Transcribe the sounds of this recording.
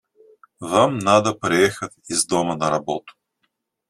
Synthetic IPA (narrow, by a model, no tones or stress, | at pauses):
vamnad̪ɐpɾɛɛxɐtizd̪ɔmənɐɾɐbɔt̪ʊ̥